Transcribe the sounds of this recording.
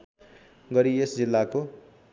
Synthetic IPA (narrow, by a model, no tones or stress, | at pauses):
ɡʌɾiesd͡zilːako